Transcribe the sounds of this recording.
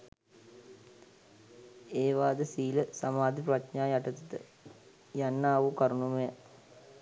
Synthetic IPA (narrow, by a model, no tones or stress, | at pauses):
eːʋaːd̪əsiːləsɐmaːd̪ʱiprɐt̪ɲaːjɐʈɐt̪it̪ə̰ | janːaːʋukɐɾunumɐja